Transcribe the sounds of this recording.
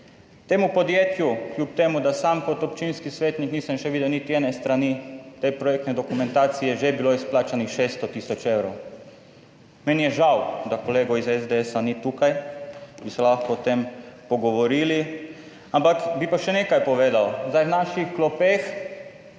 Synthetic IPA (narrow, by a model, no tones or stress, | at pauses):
t̪eːmupod̪jeːt̪jukljuːp̚t̪eːmud̪asamkot̪ɔp̚t͡ʃinskisʋeːt̪nikniːsɐmʃɛʋiːd̪ɛwnit̪iɛnɛst̪ɾanit̪epɾɔjɛk̚t̪nɛd̪okumɛ̃nt̪aːt̪sijɛʒebiloisplaːt͡ʃanixʃeːst̪ɔt̪iːsɔt͡ʃewɾow | mɛnijɛʒawd̪akoleːɡɔizɛzd̪eɛsanit̪ukajbisɛlaxkɔɔt̪empɔɡɔʋɔɾiːli | ampakbipaʃɛnekajpɔʋeːd̪awzd̪ajwnaːʃixklɔpex